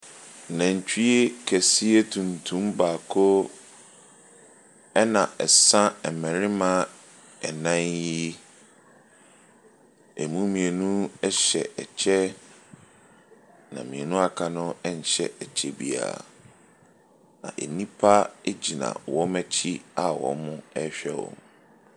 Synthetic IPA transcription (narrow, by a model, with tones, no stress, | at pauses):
nã˨ɲ˨t͡ɕᶣi˦e˦kʰæ˨si˦e˦tʰũ˨ntʰũ˦mbaː˨kʰo˦ | ɛ˦nã˨ʔɛ˨sã˦ɛ˨mɛ̃˨ɾɪ˦mã˦ | ɛ˨nã˦nji˦ | e˨mũ˦mĩ˨e˨nũ˦ɛ˦ɕɛ˨ʔɛ˨t͡ɕʰɛ˦ | nã̰˨mĩ˨e˨nũ˦a˨kʰa˦nʊ̃˦ɛ˦ɲ̩˨ɕɛ̰˦ɛ˨t͡ɕʰɛ˦bḭ˨a̰˨ | nã̰˨ʔḛ˨nĩ˦pʰa˦e˦d͡ʑi˨nã̰˨wɔ˦mæ˦t͡ɕʰi˦a˨wɔ̰˨˦mʊ̃˦ɛ˦ɕᶣɛ˦wɔ̰̃˨m